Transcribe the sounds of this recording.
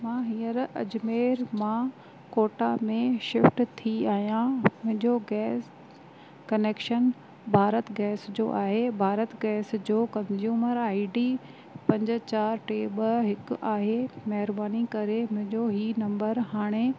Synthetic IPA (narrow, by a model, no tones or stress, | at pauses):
mãːɦiːəɾɐ̰d͡ʑmeːɾmã | koːʈamẽʃɪfʈt̪ʰiaːɦijãmʊ̃ɦɪ̃ɲd͡ʑoɡɛːs | kɐneːkʃən | bʱaːɾət̪ɡɛːsd͡ʑoʔaːɦebʱaːɾət̪ɡɛːsd͡ʑoːkɐ̃nzjuːməɾaːɪɖiː | pɐ̃ɲd͡ʑʊ̆t͡ɕaːɾʈeːbəɦɪkʊaːɦemɐɦɪɾbaːnikɐɾemʊ̃ɦɪ̃ɲd͡ʑoɦinɐ̃mbəɾɦaːɽ̃e